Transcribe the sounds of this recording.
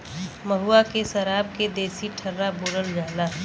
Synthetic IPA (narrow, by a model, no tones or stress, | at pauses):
məɦuakesəɾaːb̚ked̪eːsiʈʰəɾːaboːɽəld͡ʒaːlaː